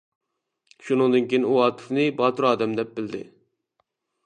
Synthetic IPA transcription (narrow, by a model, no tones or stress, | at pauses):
ʃunɨŋd̪ɨnkʲʰejnɪuɑːt̪ʰɨ̥fnɨbɑːt̪uɾɑːd̪ɛmd̪ɛp̚bɪld̪ɪ̰